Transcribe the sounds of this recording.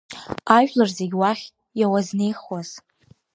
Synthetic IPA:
aʒᶣlarze̞ɡʲwaχʲ | jawazne̞jχwaz̥

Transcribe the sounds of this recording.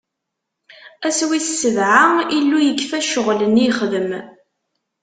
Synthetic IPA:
æswissːəvʕailːujəɡfæʃəʁləniχðəm

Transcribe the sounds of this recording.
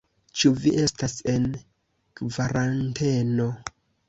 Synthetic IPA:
t͡ʃuviʔe̞stase̞n | kvaɾante̞no̞

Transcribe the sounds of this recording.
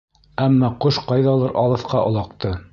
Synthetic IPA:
æmːɑqoʃqɑjðɑlˠɤɾʔɑ̰lˠɤ̆θqɑʔŏlˠɑq̚t̪ɤ

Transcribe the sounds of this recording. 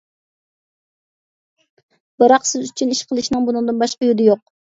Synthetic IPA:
bɨɾɑqsɪzyt͡ʃʰyniʃqʰəlˠɨʃinɨŋbunɨŋd̪ɨnbɑʃqɑjud̪ɪjoq

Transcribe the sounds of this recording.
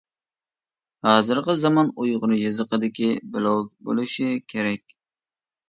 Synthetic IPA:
hɑːzɨɾqəzɑmɑnojʁʊnɨjɨzəqəd̪ɪkʲibɪlˠɑw̪̚bo̰lˠɨʃikʲʰeɾɛkʲ

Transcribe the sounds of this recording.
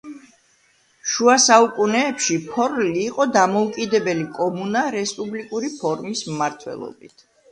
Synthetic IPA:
ʃuasaukʼunɛːpʃipʰɔɾliːqʼɔd̪amɔukʼid̪ɛbɛlikʼɔmunaɾɛspʼublikʼuɾipʰɔɾmismmaɾt̪ʰwɛ̰lˠɔ̰bit̪ʰ

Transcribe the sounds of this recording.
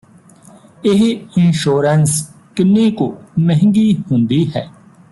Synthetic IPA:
ɪɦɪnʃoːɾəns | kɪnːekoːmɛɦɪ̃ŋɡiːɦõnd̪iːɦɛː

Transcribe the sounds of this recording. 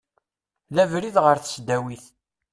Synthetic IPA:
ðævɾiðʁəɾθə̥sd̪æwiθ

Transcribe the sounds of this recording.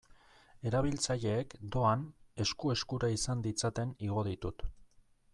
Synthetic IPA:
e̞ɾaβ̞ilt͡saʎe̞ːkd̪o̞ane̞skue̞skuɾaisand̪it͡sat̪e̞niɣ̞o̞ð̞it̪ut̪

